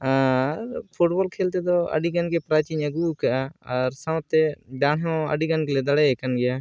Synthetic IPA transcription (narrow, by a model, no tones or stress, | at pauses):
aɾpʰuʈboːlkʰeːlt̪̬et̪oə̰ɖiɡənkepɾaːt͡ʃiːɲəɡuːkːəɾsãwt̪ːeɖaːɳõə̰ɖiɡənkeled̪əɽekənɡɪjaː